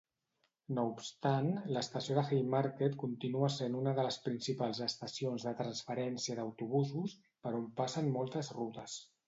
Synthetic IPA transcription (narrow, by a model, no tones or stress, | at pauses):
noupst̪anləst̪əsioðəxejmaɾket̪kunt̪inuəsenunəðələspɾinsipalˠzəst̪əsionzðət̪ɾənsfəɾɛnsiəd̪əwt̪uβuzus | pəɾompasənmɔlˠt̪əzrut̪əs